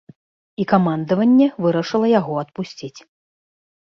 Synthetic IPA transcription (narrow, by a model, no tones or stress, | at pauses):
ikamand̪ɐvɐnʲːɛvɨɾɐʂɨlˠɐjaɣɔɐt̪pusʲt͡sʲit͡sʲ